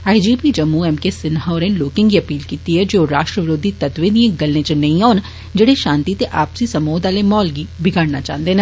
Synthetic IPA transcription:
aːid͡ʒiːpiːd͡ʒəmːuːɛːmkeːsɪnɦaʊɾɛ̃ːnloːkɪ̃ŋɡiːəpiːlkiːt̪iɦɛːd͡ʒeoːɾaːʃʈɾəʋɪɾoːd̪iːt̪ət̪ʋẽːd̪ĩẽɡəlːẽːt͡ʃnəĩaːn | d͡ʒeːɽeːʃãːnt̪iːt̪eʔaːpsiːsəmoːd̪aːleːmɔːlɡiːbɪɡaːɽnaːt͡ʃã̰ːnd̪eːnẽ

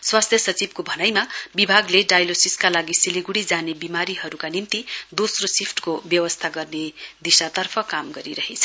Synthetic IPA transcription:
swast̪ʰjʌsʌt͡sibkobʱʌnajmabibʱaɡleɖajlosiskalaɡisiliɡuɽid͡zanebimaɾiɦʌɾukanimt̪id̪osrosipʰʈkobjʌwʌst̪ʰaɡʌrned̪isat̪ʌrpʰʌkamɡʌɾiɾʌɦet͡sʰʌ

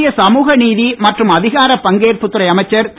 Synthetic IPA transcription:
jɐsɐmuːɣɐniːðimɐʈrɯmɐðɪɣaːɾɐpɐŋɡeːrpʊt̪ːɯɾɐɪɐmɐɪt͡ʃːɐɾt̪

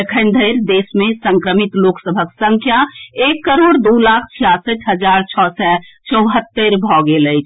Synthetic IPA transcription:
əkʰənd̪ʱəjɾd̪esmesəŋkɾəmit̪loksəbʱəksə̃ŋkʰjaekːəɾoɽd̪ulakʰt͡ʃʰijasəʈʰɦəd͡ʒaɾt͡ʃʰɔsɛt͡ʃəwɦət̪ːəɾbʱɔɡelət͡ʃʰ

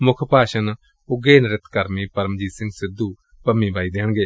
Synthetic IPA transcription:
mʊkʰpaːʃɐn | ʊɡeːnɾɪt̪ʰkɐɾmipɐɾmd͡ʒiːsɪ̃ŋɡsɪd̪uː | pɐmːibʱaːid̪eɦəɽ̃ɡeː

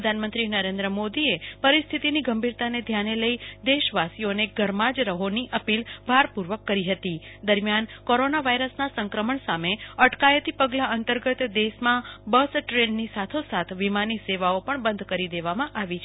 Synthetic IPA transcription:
əd̪ʱanmənt̪ɾinəɾẽnd̪ɾəmod̪iepəɾist̪ʰit̪iniɡəmbʱiɾt̪aned̪ʱjaneləid̪eʃʋasijoneɡəɾmad͡ʒɾəɦoniʔəpilbʱaɾpuɾʋəkːəɾiɦət̪id̪əɾmjankoɾonaʋaiɾəsnasə̃ŋkɾəməɳsameəʈkajət̪ipəɡlaənt̪əɾɡət̪d̪eʃmãbəsʈɾenːisat̪ʰosat̪ʰʋimaniseʋaopəɳbə̃nd̪ʱkəɾid̪eʋamãʔaʋit͡ʃʰ

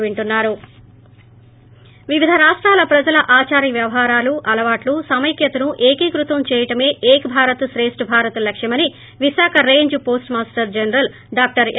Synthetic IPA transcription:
ʋiɳʈunːaːɾu | ʋiʋid̪ʱɐɾaːʂʈɾaːlɐpɾɐd͡ʒɐlɐʔaːt͡ʃaːɾjɐʋjɐʋɐɦaːɾaːluʔɐlɐʋaːʈlusɐmɐjkjɐt̪ɐnuʔeːkiːkɾut̪ʋɐmt͡ʃɛːjɐʈɐme̞ːʔeːkɐbʱaːɾɐt̪sɾeːsʈbʱaːɾɐt̪ɐlɐkʂjɐmɐni | ʋiʃaːkʰɐɾe̞ːɲd͡ʒpo̞ːsʈmaːsʈɐɾd͡ʒɐnɐɾɐl | ɖaːk̚ʈɐɾ

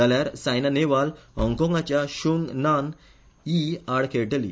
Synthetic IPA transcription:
aljaɾsajnaneʋalɦɔ̃ŋkɔ̃ŋɡat͡ɕjaɕuŋɡnan | iaɽkʰeʈəlḭ

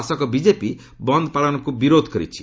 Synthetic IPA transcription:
asɔkɔbid͡ʒepi | bɔnd̪ʱɔpaɭɔnɔkubiɾod̪ʱkɔɾḭt͡ʃʰi̥

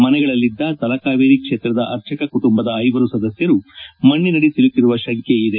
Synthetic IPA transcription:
mɐnɛɡɐɭɐlːid̪ːɐt̪ɐlɐkaːʋeːɾikʂe̞ːt̪ɾɐd̪ɐʔɐɾt͡ʃʰɐkɐkuʈumbɐd̪ɐːjʋɐɾusɐd̪ɐsjɐɾumɐɳːinɐɽisilut̪ːiɾuʋɐʃɐŋkjeid̪e̞

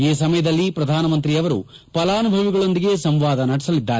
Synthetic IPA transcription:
eːsɐmɐjɐd̪ɐlːipɾɐd̪ʱaːnɐmɐnt̪ɾiɐʋɐɾṵ | pɐlaːnubʱɐʋiɡɐɭo̞nd̪iɡe̞sɐmʋaːd̪ɐnɐɽɛsɐlid̪ːaːɾ

